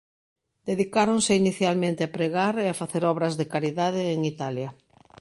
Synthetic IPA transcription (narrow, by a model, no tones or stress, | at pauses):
d̪̥eðikaɾoŋsɪiniθjalmẽnt̪eapɾeɣaɾeafaθeɾɔβɾɐzðekaɾiðaðɪːŋit̪aljɐ